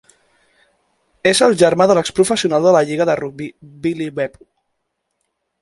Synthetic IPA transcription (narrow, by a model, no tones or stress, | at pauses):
ezəlˠʒəɾmaðələkspɾufəsiunalˠd̪ələʎiɣəðəruk̚bibilibɛpu